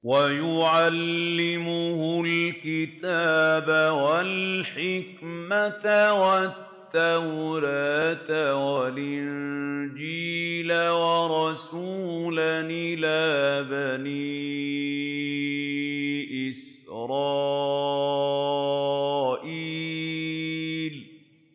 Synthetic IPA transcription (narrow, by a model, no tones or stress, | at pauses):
wajʊʕalːɪmʊhʊlkɪt̪aːbawalħɪkmat̪awat̪ːawɾaːt̪walʔɪnnd͡ʒiːlawɑɾˤɑsuːlanɪlaːbani | ʔɪs | ɾˤɑː | ʔi | l